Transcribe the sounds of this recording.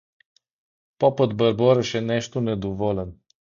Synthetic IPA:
pɔpət̪bəɾbɔɾəʃenɛʃt̪uned̪uvolən

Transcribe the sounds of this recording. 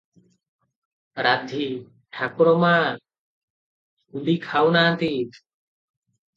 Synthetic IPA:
ɾad̪ʱi | ʈʰakɾɔmaː | ulikʰawnaːnt̪iːt̪

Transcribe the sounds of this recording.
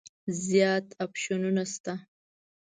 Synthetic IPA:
zjɑt̪apʃununast̪a

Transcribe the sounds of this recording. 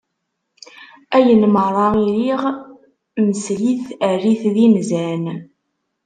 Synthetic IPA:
æjənmərˤɑiɾiʁ | məsliθæriθðinzæn

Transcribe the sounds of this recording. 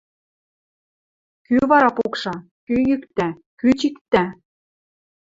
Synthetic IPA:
kyβɑɾɑpokʃɑ | kyjykt̪æ | kyt͡ɕikt̪ːæ

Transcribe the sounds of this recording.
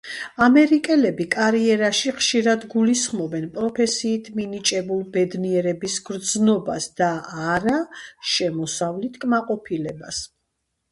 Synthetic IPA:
amɛɾikʼɛlɛbikʼaɾiɛɾaʃiχʃiɾad̪ɡulisχmɔbɛnpʼɾɔpʰɛsiːt̪ʰminit͡ʃʼɛbulˠbɛd̪niɛɾɛbisɡɾd̪znɔbasd̪̥aːɾaʃɛmɔsavlit̪ʰkʼmaqʼɔpʰilɛbas

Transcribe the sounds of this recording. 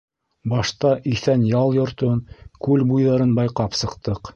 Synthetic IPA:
bɑʃt̪ɑʔiθænjɑlˠjŏɾt̪ɤnkʉlbujðɑɾɤnbɑjqɑpsɤ̆qt̪ɤq

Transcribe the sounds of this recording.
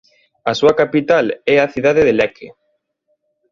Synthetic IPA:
asuɐkapit̪alɛaθiðaðeðelɛkʰe

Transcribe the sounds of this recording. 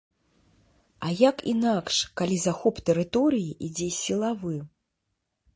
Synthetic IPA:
ɐjakḭnakʂkalʲizaxɔpt̪ɛɾɨt̪ɔɾɨjiʔid͡zʲɛsʲilˠavɨ

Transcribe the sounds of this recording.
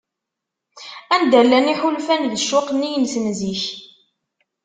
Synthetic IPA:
ænd̪ælːæniħulfænðəʃːʊqnːijənsnziç

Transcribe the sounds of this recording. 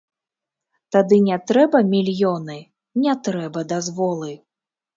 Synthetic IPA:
t̪ad̪ɨnʲɛt̪ɾɛbɐmʲilʲjɔnɨ | nʲɛt̪ɾɛbɐd̪azvɔlˠɨ

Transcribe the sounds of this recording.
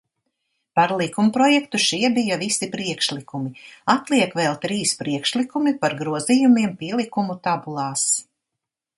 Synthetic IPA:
paɾlˠikumpɾɔjɛkt̪uʃiɛbijavisipɾiɛkʃlˠikumiat̪lˠiɛkvɛlˠt̪ɾiːspɾiɛkʃlikumipaɾɡɾuɔzijumiɛmpiɛlˠikumut̪abulˠɑːs

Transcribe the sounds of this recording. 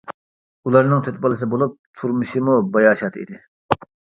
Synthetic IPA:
ulˠɑɾnɨŋt̪ʰøt̪̚pɑlˠɨs̬ɨbolˠup̚t̪ʰuɾmɨʃimubɑjɑːʃɑt̪ʰḭd̪ɪ

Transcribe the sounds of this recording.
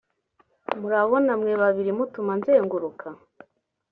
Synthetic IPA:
muɾaβo̞namŋeβaβiɾimutumanzeːŋɡuɾukʰa

